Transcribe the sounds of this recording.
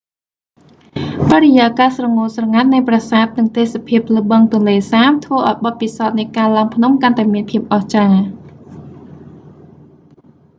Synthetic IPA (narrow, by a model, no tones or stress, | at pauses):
parejaːkaːsrɑŋoːlsrɑŋat̪̚nɨjprasaːt̪̚nɨŋt̪eːsapʰiəp̚ləɓəŋt̪ʊ̆ənleːsaːmt̪ʰʋəːʔaɔjɓɑt̪̚pisaɔt̪̚nɨkaːlaəŋpʰnumkant̪aɛmiənpʰiəp̚ʔɑht͡ɕaː